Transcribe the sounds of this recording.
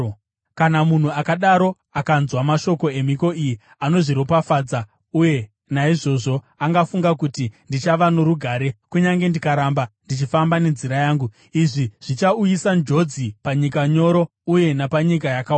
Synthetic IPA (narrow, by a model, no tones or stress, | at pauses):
kanamun̤uakaɗaɾo̞ | akanzwamaʃo̞ko̞e̞m̤iko̞iji | ano̞ʐiɾo̞pafaːd͡za | uje̞ | naiʐo̞ʐo̞ | aŋɡafuŋɡakutindit͡ʃaʋanoɾuɡʱaːɾe̞kuɲaŋɡe̞ndikaɾaːmbandit͡ʃifambane̞nziɾajaːŋɡu | iʐiʐ̥it͡ʃaujisand͡ʒo̞d͡zipaɲikaɲo̞ɾo̞ | uje̞napaɲikajakaː